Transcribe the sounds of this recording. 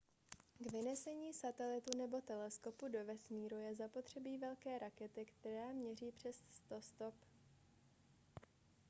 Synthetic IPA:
ɡvɪnɛsɛɲiːsat̪ɛlɪt̪unɛbo̞t̪ɛlɛsko̞pudo̞vɛsmiːɾujɛzapo̞t̪r̝̥ɛbiːvɛlkɛːɾʔakɛt̪ɪkt̪ɛɾaːmɲɛriːpr̝̥ɛsst̪o̞st̪o̞p

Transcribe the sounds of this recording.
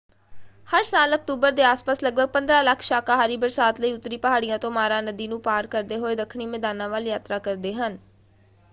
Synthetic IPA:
həɾsaːlək̚t̪uːbəɾd̪eːaːspaːsləɡ̚bəɡ̚pə̃nd̪ɾaːləkʰʃaːkaːɦaːɾiːbəɾsaːt̪ləiːʊt̪ːɾiːpəɦaːɽɪjãːt̪õːmaːɾãːnəd̪iːnũːpaːɾkəɾd̪eːɦoːeːd̪əkʰniːmɛːd̪aːnãːʋaːljaːt̪ɾaːkəɾd̪eːɦən

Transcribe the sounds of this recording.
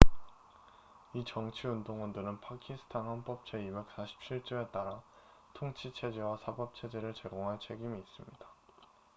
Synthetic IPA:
it͡ɕʌŋt͡ɕʰiundoŋundɯɾɯnpʰakʰisʰɯ̥tʰanhanp͈ʌp̚t͡ɕ͈ʰe̞ibe̞k̚s͈aɕʰi̥p̚t͡ɕʰiɭt͡ɕ͈ume̞t͈aɾa | tʰoŋt͡ɕʰit͡ɕʰe̞d͡ʑewasʰabʌp̚t͡ɕʰe̞d͡ʑeɾɯɭt͡ɕe̞ɡoŋɦaɭt͡ɕʰe̞ɡimiːs͈ɯmɲid̥a

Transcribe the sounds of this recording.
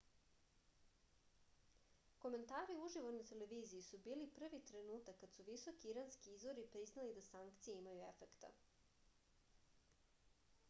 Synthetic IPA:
ko̞me̞nt̪aːɾiuuʒiʋonat̪e̞le̞ʋiːzijisubiːlipr̩ʋit̪ɾe̞nuːt̪akːad̪suʋisokiiɾanskiizʋo̞ɾipɾiznalid̪asaŋkt̪sijeimajue̞fekt̪a̰

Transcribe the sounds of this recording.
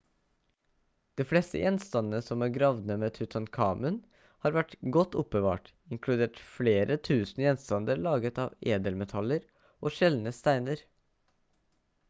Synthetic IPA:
d̪̥eːflɛst̪ə̰jʔɛnst̪ɑnənəsɔmæːɾɡɾɑʋnəmeːt̪ʰʉt̪ʰɑnkʰɑ̰ːmʉn | hɑːɾʋæʈɡɔt̪ːʊp̚bəʋɑ̰ːʈ | ɪŋkʰlʉd̪eːʈfleːɾət̪ʰʉːsnəjɛnst̪ɑnd̪əɾɭɑːɡət̪ɑ̰ːʋeːd̪əlmɛt̪ʰɑləɾ | ʔoːʃɛlnəst̪æɪnəɾ

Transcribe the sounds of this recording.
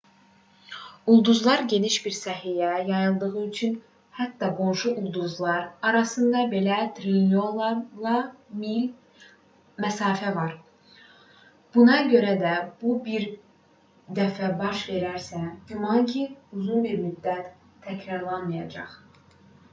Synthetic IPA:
ulˠd̪uzlˠɑɾɟe̞niʃbiɾsæɦijæjɑjɯlˠd̪ɯɣɯyt͡ʃʰyn | hæt̪ːɑɡo̞nʃuʔulˠd̪uzlˠɑɾɑɾɑsɯnd̪ɑbe̞læt̪ɾinolˠlˠɑmil | mæsɑːfævɑɾ | b̥unɑɟø̞ɾæd̪æb̥ubiɾ | d̪æfæbɑʃve̞ɾæɾsæɟymɑŋcʰiuzunbiɾmyd̪ːæt̪ʰː | æcʰɾɑɾlˠɑnmɯjɑd͡ʒɑ̰χ

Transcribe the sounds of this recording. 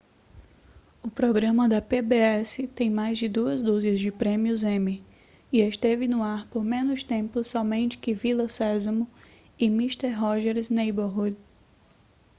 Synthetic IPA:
ʊpɾɔɡɾɐ̃mɐd̪ɐpebeɛsɪt̪ẽj̃majzd͡ʒɪd̪uɐzd̪uziɐzd͡ʒɪpɾẽmiʊzẽmi | ɪest̪evɪnʊaɾpoɾmẽnʊst̪ẽmpʊsɔmẽnt͡ʃɪ̥kɪvilɐsɛzɐmʊ̃ | ɪmist̪eɾɦɔʒɛɾznejboɦud̪

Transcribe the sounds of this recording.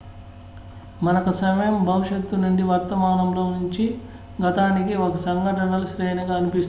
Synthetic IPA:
mɐnɐkusɐmɐjɐmbʱɐʋiʂet̪ːunuɳɖiʋɐɾt̪ɐmaːnɐmloːnuɲt͡ʃi | ɡɐt̪aːnikiokɐsɐŋɡɐʈɐɳɐlɐʃɾɛːnɐɡaːnipist̪

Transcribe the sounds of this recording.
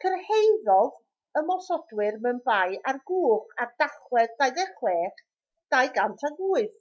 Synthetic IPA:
kʰərhejðɔð | əmɔsɔdwɪrmɛnvajʔarɡuːχard̥aχwɛðdajðɛχlɛːχ | d̥ajɡantʰaɡuːɨð

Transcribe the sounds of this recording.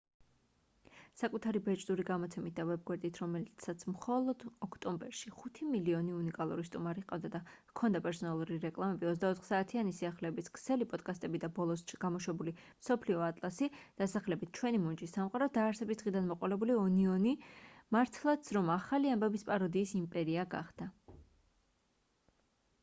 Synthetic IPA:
sakʼut̪ʰaɾibɛt͡ʃʼd̪uɾiɡamɔt̪sʰɛmit̪̚ʰd̪avɛb̚ɡwɛɾd̪it̪ʰɾɔmɛlt̪sʰat̪sʰmχɔlˠɔd̪̥ɔkʰt̪ʼɔmbɛɾʃiχut̪ʰimiliɔniunikʼalˠuɾist̪ʼumaɾiqʼavd̪ad̪akʰɔnd̪apʼɛɾsɔnalˠuɾiɾɛkʼlˠamɛbiɔtzd̪aɔt̪χsaːt̪ʰianisiaχlɛːbiskʰʼsɛlipʼɔd̪̥kʼast̪ʼɛbid̪abɔlˠɔsɡ̥amɔʃwɛbuli | msɔpʰliɔat̪ʼlˠasid̪̥asaχlɛbit̪̚ʰt͡ʃʰwɛnimɔnd͡ʒʼisːamqʼaɾɔd̪aːɾsɛbisd̪ʁid̪anmɔqʼɔlɛbuliɔniɔnimaɾt̪ʰlˠat̪sʰɾɔmaχaliambɛbispʼaɾɔd̪iːsimpʼɛɾiaɡa̰χd̪̥a

